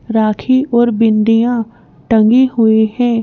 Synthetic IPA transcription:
ɾaːkʰiʔɔːɾbɪ̃nɖ̪ijã | ʈə̃ŋɡihʊihɛ̃ː

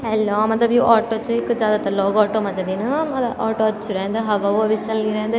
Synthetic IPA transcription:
ɛlːɔːmɐt̪lɐbjuːʔaːʈoːt͡ʃuɪkːd͡ʒjaːd̪aːt̪ɐlɔːɡaːʈoːmɐd͡ʒɐd̪iːnɐɐd̪aːʈoɐt͡ʃːuɾɛːnd̪ɐɦɐʋauɐbʱit͡ʃɐlniɾɛ̃ːnd̪ɐ

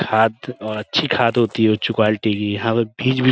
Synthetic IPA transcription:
kʰaːd̪ɔːɾɐtːʃʰikʰaːd̪ɦoːt̪iɦɛot͡ʃʊkaːlʈikijɐɦãpɐbʱiːd͡ʒbʱi

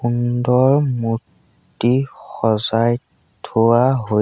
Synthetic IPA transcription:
undɔɹmu | t | ixɔzaj | tʰuwaɦo

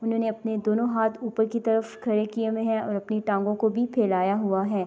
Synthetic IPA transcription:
ʊnɦõːneɐpned̪oːnõɦaːt̪ʰuːpəɾkit̪ɐɾəfkʰɐɾekiemẽɦɛ̃ʔɔːɾɐpniʈãːŋɡõkobʱipʰeːlaːjaɦuaɦɛː

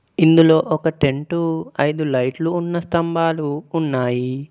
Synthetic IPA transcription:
ind̪ulo̞ːʔɔkɐʈe̞ɳʈuɐjd̪ulɐjʈluːnːɐst̪ɐmbaːluːnːaːji

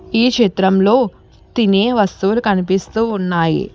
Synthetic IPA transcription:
iːkʂit̪ɾɐmlo̞ː | t̪ineːʋɐst̪uʋlukɐnipist̪uːnːaːjḭ

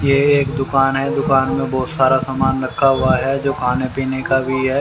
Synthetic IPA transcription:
jeeːkd̪ʊkaːnɦɛd̪ʊkaːnmẽbɔːt̪saːɾasaːmaːnɾɐkʰːaɦʊaɦɛd͡ʒoːkʰaːnepiːnekabʱiɦɛː

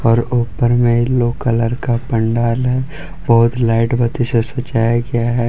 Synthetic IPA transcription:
ɔːɾoːpəɾmẽloːkələɾkapə̃ɳɖaːlɦɛ | bəɦʊt̪laːɪʈbət̪isesət͡ʃːaːjaɡɐjaɦɛː

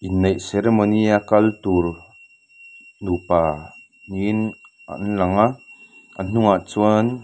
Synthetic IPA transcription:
ʔinːɛjʔsɛɾɛmɔniakɐlt̪uɾ | nupaː | nin | a̰nlɐŋaʔ | ʔan̥ʊŋaʔt͡suan

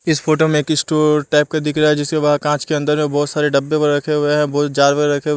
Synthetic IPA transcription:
ɪsfʰoːʈ̬omẽeːkɪsʈoːʈaːɪp̚kad̪ɪkʰɾaaɦɛd͡ʒɪskebaːd̪̚kãːt͡ʃkeɐ̃nd̪əɾmẽbɔːt̪saːɾeɖɐbːẽpɐɾɾɐkʰeeɦɛ̃bɔːt̪̚d͡ʒaːɾʋɐɡɾɐkʰe

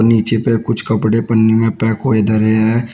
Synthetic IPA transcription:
ɾniːt͡ʃepekʊt͡ʃʰkɐpɽepənːimẽpɛːkɦoːed̪əɾeɦɛ

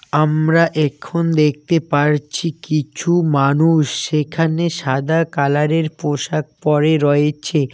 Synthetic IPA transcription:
amɾaʔɛkʰond̪ek̚ʰt̪epaɾt͡ɕʰikit͡ɕʰumanuʃːekʰaneʃad̪akalaɾeɾpoʃak̚pɔɾeɾɔet͡ɕʰe

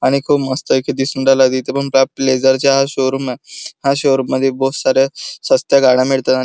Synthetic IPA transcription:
aɽ̃ikʰuːpməst̪əkʰid̪isuːɳʈalad̪it̪epəɳpɾapled͡ʑəɾt͡ɕjaɦaɕoɾumahaɕoɾmːəd̪ʱːjebosaɾesəst̪jaɡʱaɽ̃ãmiɭt̪at̪a

